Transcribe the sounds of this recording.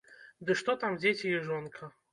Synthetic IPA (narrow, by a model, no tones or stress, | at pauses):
d̪ɨʂt̪ɔt̪amd͡zʲet͡sʲijɛʐɔnkʰɐ